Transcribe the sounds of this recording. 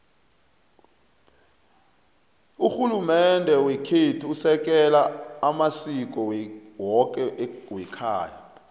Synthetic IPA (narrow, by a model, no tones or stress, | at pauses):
uxulumɛndʱɛwekʰetʰiusɛk̬ʼɛlaamasik̬ʼɔwɔk̬ʼɛʔwɛkʰa̰ːja̰